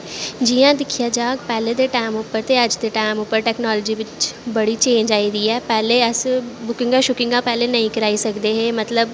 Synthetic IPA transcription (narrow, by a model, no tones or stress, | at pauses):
d͡ʒijãːd̪ɪkʰijaːd͡ʒaːkpɛːleːd̪eːʈaːmʊpːəɾt̪eːəd͡ʒd̪eːʈaːɪmʊpːəɾʈɛːknɔːlɔd͡ʒiːʋɪt͡ʃbəɽiːt͡ʃẽːɲd͡ʒaːiːd̪iːɛːpɛːleːəsbʊkɪ̃ŋɡãːʃʊkɪ̃ŋɡãːpɛːleːnəĩːkəɾaːisəkd̪eːɦeːmət̪ləb